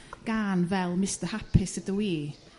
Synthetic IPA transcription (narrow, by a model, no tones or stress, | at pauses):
ɡ̥aːnvɛlˠmɪstəhapʰɪsədəwiː